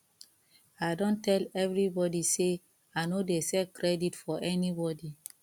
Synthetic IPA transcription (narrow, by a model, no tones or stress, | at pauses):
ajdɔ̃ntʰɛlɛvɹibɔdise | aɪnodesɛkʰɹɛditfɔʔɛnibɔdi